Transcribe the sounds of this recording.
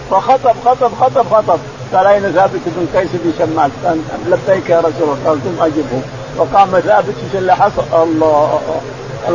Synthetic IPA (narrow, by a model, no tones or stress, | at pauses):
fɑxɑt̪ˤɑbxɑt̪ˤɑbxɑt̪ˤɑbxɑt̪ˤɑb̚ | ɡɑːlʔajnaθaːbɪt̪bɪnqɑjsɪbɪnʃamːalanlabːaːkjɑɾˤɑsulqɑːlt̪umʔad͡ʒɪbhʊm | wɑqɑːmaθaːbɪt̪fiʃalːaħɑsˤl